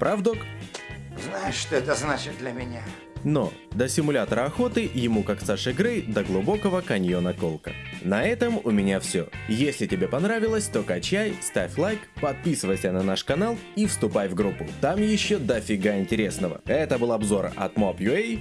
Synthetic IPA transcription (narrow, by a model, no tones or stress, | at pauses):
pɾʔavd̪ok | znajɪʂʂt̪oɛt̪əznat͡ɕɪt̪̚d̪lʲɐmʲɪnʲa | no̰ | d̪əsʲɪmʊlʲat̪əɾəɐxo̞t̪ɨjɪmukaksaʂɨɡɾɨjd̪əɡlˠʊbo̞kəvəkɐnʲjo̞nəko̞lˠkə̰nɐɛt̪əmʊmʲɪnʲafsʲojesʲlʲɪtʲɪbʲepɐnɾavʲɪlˠəsʲt̪o̞kɐt͡ɕæjst̪afʲlˠajkpɐt̪̚pʲisɨvəjsʲənɐnaʂkɐnalˠ | ifst̪ʊpajvɡɾupːʊt̪amjɪɕːod̪ɐfʲɪɡaɪnʲtʲɪɾʲe̞snəvə̰ɛt̪əbɨlˠɐbzo̞rɐ̰t̪mopjʊej